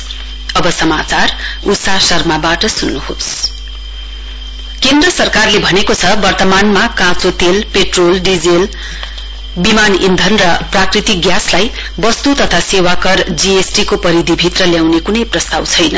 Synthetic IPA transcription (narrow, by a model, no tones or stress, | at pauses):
ʌbʌsʌmat͡sarusasʌrmabaʈʌsunːuhos | kend̪rʌsʌrkarlebʱʌnekot͡sʰʌbʌrt̪ʌmanmakãt͡sot̪elpeʈrolɖid͡zel | bimanind̪ʱʌnrʌprakrit̪ik̚ɡjaslaj | bʌst̪ut̪ʌt̪ʰasewakʌrd͡ziesʈikopʌɾid̪ʱibʱit̪rʌljawnekunʌjprʌst̪awt͡sʰʌjnʌ